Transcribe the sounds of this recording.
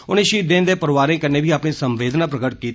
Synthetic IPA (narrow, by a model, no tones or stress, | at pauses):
ʊnẽːʃiːd̪ẽːnd̪eːpəɾʋaːɾẽːkəneːbʱiːaːpɳeːsəmʋeːd̪nãːpɾəɡəʈkiːt̪